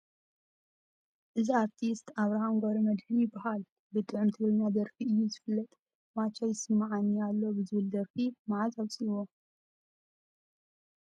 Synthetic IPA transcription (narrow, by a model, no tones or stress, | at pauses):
ʔɨziaɾt̪ʰist̪ʰaβɾahamɡʷoɾɐmɐd̪hɨnjɪbːahal | bɨt̪ʼɨʕɨmt̪ʰɨɡɾɨɲːad̪ɐɾfiʔɨjːuzɨfɨlːɐt̪ʼ | mat͡ʃʰajɪsɨmːaʕanːialːo̞bɨzɨβɨld̪ɐɾfimaʕazaβsʼiwo